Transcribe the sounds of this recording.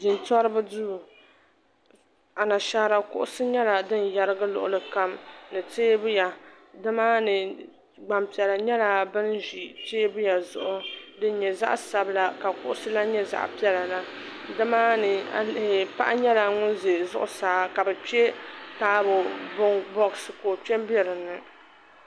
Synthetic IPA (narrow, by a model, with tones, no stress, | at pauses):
d͡ʒɪ˨ntɔ˦ɾɨ˦bɨ˦duː˦˨ | a˨na˨ʃa˦ɾa˨kʊ̰˦ʔʊ˦sɨ˦ɲɛ˦la˨dɨ˦nja˨ɾɨ˦ɡɨ˦lʊ̰˨ʔʊ˨lɨ˨ka˦mnɨ˨teː˦bʊ˦ja˨ | dɨ˦maː˦nɨ˨ | ɡ͡ba˨mpi˨ɛ˨la˨ɲɛ˦la˨bɨ˦nʒi˨teː˦bʊ˦ja˨zʊ˨ʔʊ˦dɨ˦n˦ɲɛ˨za̰˦ʔsa˨bɨ˦la˦ka˨kʊ˦ʔʊ˦sɨ˦la˦ɲɛ˦za̰˨ʔpi˦ɛ˦la˨la˦ | dɨ˦maː˦nɨ˨pa̰˦ʔa˦ɲɛ˦la˨ŋʊ˦n˦ze˨zʊ̰˦ʔʊ̰˦saː˨˦ka˨bɛ˨pi˦ɛ˦taː˦bʊ˨bʊ˦bɔ˦ksɨ˨koː˨pɛ˦bi˦ɛ˦ɾɨ˨nːɨ˨